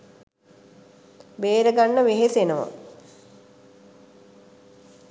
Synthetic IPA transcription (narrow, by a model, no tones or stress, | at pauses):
beːɾəɡanːəʋeɦesenəmə̰